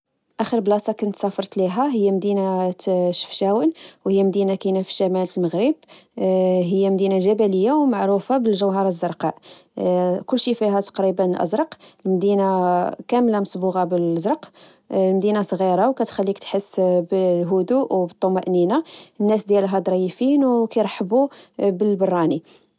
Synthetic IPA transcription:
ʔæxəɾblɑsˤɑkʊnt̪sɑfɑɾˤt̪liɦæɦəjːæmd̪inat̪ʃə̥fʃæwənwhəjːæmd̪inakinafi̥ʃæmæləlməɣɾəb | ɦəjːæmd̪inaʒæbæləjːawmaʕɾufabəlʒəwɦɑɾˤɑzːəɾˤqɑʕ | kʊlːʃifiɦæt̪ɑ̥qɾibənlʔə̰zɾˤɑqlmd̪inakæmlamʊsbuɣɑbəlzɾˤɑq | lmd̪inasˤɣiɾˤɑwkæt̪xælːikt̪ħəsːbəlɦʊd̪uʔwbət̪ˤːomæʔninanːæsd̪jælɦæd̪ˤɾˤɑjəfinwkajɾˤħəbubəlbərˤːɑni

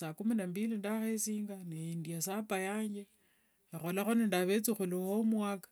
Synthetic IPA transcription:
sakuminambilindaxesiːŋɡaneindiasapajaːɲd͡ʒe | ixolaxonendaβet͡sixuliwomwakḁ

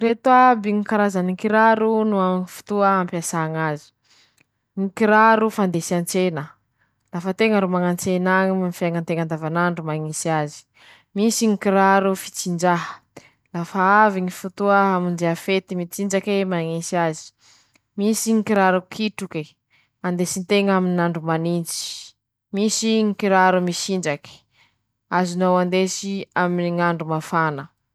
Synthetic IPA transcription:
ret̪uabiŋikaɾazaniŋkiɾaɾunuaifu̥t̪uəampasaŋazi̥ | ŋikiɾaɾufand̪esant͡senə | lafət̪eŋəɾomaŋant͡senaŋimifaŋant̪eŋand̪avanaɳɖ͡ʐumaŋisiazi̥ | misiŋikiɾaɾufi̥t͡sind͡ʒaɦə̥ | lafaaviŋifut̪uəɦamind͡ʒeafet̪imit͡sind͡ʒakemaŋisiazi̥ | misiŋikiɾaɾukʰiʈ͡ʂuke | and̪esint̪eŋaminaɳɖ͡ʐumanint͡si̥ | misiŋikiɾaɾumisind͡ʒaki̥ | azinowand̪esiaminiŋaɳɖ͡ʐumafanə

